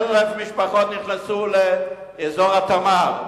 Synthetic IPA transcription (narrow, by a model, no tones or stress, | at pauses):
lnuɛfmiʃpaχɔt̪nɪχnasule | ezɔʁat̪amav